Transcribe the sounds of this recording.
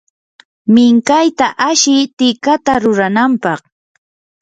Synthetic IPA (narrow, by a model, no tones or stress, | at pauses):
mɪŋkajt̪aʔaʃɪt̪ɪkat̪aɾʊɾanampɑχ